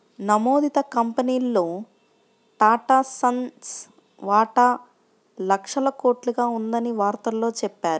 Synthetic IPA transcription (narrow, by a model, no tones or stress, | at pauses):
nɐmo̞ːd̪it̪ɐkɐmpɐniːlːoː | ʈaːʈaːsɐns | ʋaːʈaː | lɐkʂɐlɐko̞ːʈluɡaːund̪ɐniʋaːɾt̪ɐlːo̞ːt͡ʃɛpːaːɾu